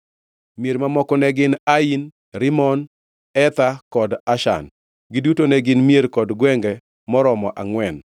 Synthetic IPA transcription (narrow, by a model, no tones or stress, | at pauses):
mjeɾmamɔkɔnɛɡɪnain | ɾɪmɔn | ɛt̪akɔdaʃa̰n | ɡɪdutonɛɡɪnmjeɾkɔdɡwɛŋɡɛ | mɔɾɔmɔʔaŋwɛn